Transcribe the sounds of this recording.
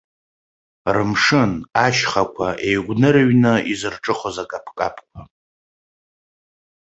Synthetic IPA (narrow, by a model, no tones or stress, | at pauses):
rɨmʂɨnaʃχakʷʰaʔe̞jɡʷnɨɾaɥnɨizɨrʈ͡ʂʼɨχozakʼapʰkʼa̰pʰkʷʰa